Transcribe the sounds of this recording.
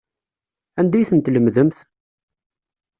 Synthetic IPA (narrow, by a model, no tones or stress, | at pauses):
ænd̪æjθənt̪ləmðəmθ